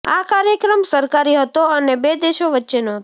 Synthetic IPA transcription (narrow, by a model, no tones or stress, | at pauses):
akaɾjəkɾəmsəɾkaɾiɦət̪oənebed̪eʃoʋətːʃenoɦət̪